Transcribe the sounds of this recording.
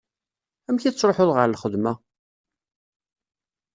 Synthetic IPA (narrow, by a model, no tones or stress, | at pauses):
æmçiθsɾˤoħoðʁəɾlχəðmæ